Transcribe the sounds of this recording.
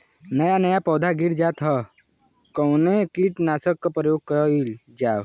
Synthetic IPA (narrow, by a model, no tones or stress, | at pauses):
nəjanəjapɔːd̪ʱaɡiɽd͡ʒat̪ʰɦɔ | kɔwnekiʈnaːsəkːɔpəjoːɡ̚kəil | d͡ʒaːw